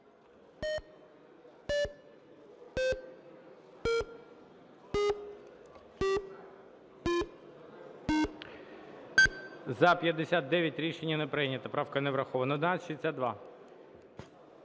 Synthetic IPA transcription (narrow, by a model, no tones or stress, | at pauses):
zɐpʲjɐd̪ːesʲat̪̚d̪ɛʋʲjɐtʲɾʲiʃenʲːɐnɛpɾɪnʲːɐt̪ɐpɾɑwkɐnɛʋɾɐxɔʋɐnɐɔd̪enɑsʲʃid̪ʲesʲat̪̚d̪ʋɑ̰